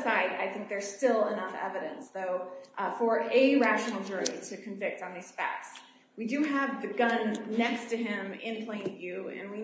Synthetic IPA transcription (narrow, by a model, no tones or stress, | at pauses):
saɪɾa̰ɪθɪ̃ŋk̚ðə˞z̥stɪlˠənʌfɛ̰vɨɾɨ̰̃nsðoʊfə˞ɨɹæʃnl̩ˠd͡ʒʊ˞iɾʰɨkʰɨ̃ɱvɪk̚tn̩ðiz̥fæ̰ks | widɨəvðɨɡʌ̃nːɛkstɨɪ̃mɪ̃npʰl̥ẽɪ̃nvjʉɨ̰̃nwi